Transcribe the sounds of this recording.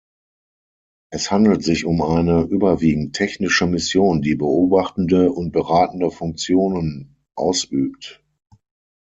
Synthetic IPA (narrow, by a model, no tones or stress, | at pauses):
ʔɛshandl̩tz̥ɪçʊmaɪnəʔyːbɐviːɡŋ̩tʰːɛçnɪʃəmɪsjoːndiːbəoːbaχtn̩dəʊnt̚b̥əʁaːtn̩dəfʊŋk̚t͡sjoːnən | ʔa̰ʊsʔyːp̚t